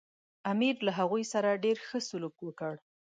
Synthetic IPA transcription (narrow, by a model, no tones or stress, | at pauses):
amiɾlaɦaɣujsaɾaɖeɾxəsʊlukwəkəɽ